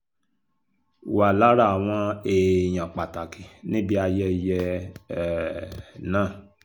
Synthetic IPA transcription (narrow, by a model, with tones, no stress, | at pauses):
wa˨la˦ɾa˦˨a˨w̃ɔ̃˧e˧j̃ã˨k͡pa˨ta˨ki˨nĩ˦bi˦a˧jɛ˧jɛ˧˨ | nãː˦˨